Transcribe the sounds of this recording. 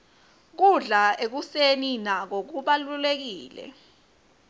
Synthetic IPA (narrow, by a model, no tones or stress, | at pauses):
k̬uɮaek̬useninak̬ok̬uɓalulek̬iːlɛ̰